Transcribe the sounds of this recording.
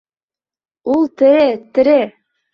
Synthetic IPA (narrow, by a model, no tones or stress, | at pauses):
ulˠt̪ɘ̆ɾɘt̪ɘ̆ɾɘ